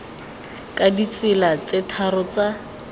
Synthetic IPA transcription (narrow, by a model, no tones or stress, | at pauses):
kʼadit͡sɪlat͡setʰarʊt͡sa